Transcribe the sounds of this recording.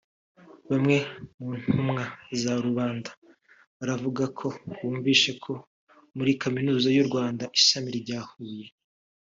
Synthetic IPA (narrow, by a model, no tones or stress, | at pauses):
βamŋe̞muːn̥humŋazaɾuβaːndḁ | βaɾavuɡakʰo̞wuːɱviːʃe̞kʰo̞ | muɾikaminuːzajuɾɡwaːndaʔiʃamiɾɟaːhuːje̞